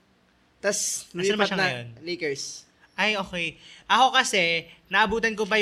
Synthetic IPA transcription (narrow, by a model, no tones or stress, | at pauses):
t̪ɐsmɐɐnɐmɐʃaŋɐjo̰nlekɛɹs | ʔajʔo̞ːkɛjʔɐko̞kɐsɛnɐʔɐbuːt̪̬ɐnk̬op̬ɐ